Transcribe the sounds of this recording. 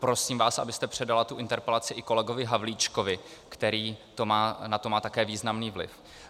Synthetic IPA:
pɾo̞siːmvaːsʔa̰bɪst̪ɛpr̝̥ɛdalat̪uʔɪnt̪ɛɾpɛlat͡sɪʔɪko̞lɛɡo̞vɪɦavliːt͡ʃko̞vɪkt̪ɛɾiːt̪o̞maːnat̪omaːt̪akɛːviːznamniːvlɪ̰f

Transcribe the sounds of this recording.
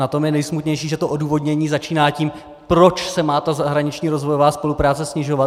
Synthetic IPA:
at̪o̞mjɛnɛjsmut̪ɲɛjʃiːʒɛt̪oʔoduːvo̞d̪ɲɛɲiːzat͡ʃiːnaːciːm | pɾo̞t͡ʃsɛmaːt̪azaɦɾaɲɪt͡ʃɲiːɾo̞zvojovaːspo̞lupɾaːt͡sɛsɲɪʒo̞va

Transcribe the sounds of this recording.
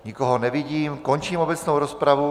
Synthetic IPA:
ɲikoɦonɛviɟiːmkoɲt͡ʃiːmobɛt͡snowɾospɾavu

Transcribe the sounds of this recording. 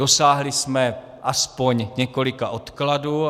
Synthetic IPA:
osaːɦlɪsmɛ | ʔaspo̞ɲɲɛko̞lɪkaʔot̪kladuː

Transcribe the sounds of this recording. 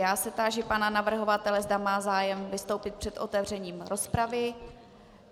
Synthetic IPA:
jaːsɛt̪aːʒɪpananavr̩ɦo̞vat̪ɛlɛzd̪amaːzaːjɛmvɪst̪owpɪt̪̚pr̥ɛt̪ʔo̞t̪ɛvr̝ɛɲiːmɾospɾavɪ

